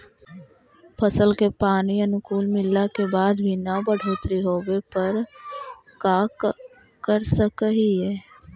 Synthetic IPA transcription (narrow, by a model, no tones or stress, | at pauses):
pʰəsəlkepaːniənʊkuːlmɪlːakebaːd̪bʱinəbəɽ̤ʱoːt̪ɾiɦoːwepəɾ | kaːk | kəɾsəkəɦiɦɛː